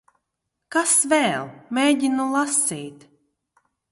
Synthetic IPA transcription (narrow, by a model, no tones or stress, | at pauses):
kasvɛːlˠmeːɟʲinulˠasiːt̪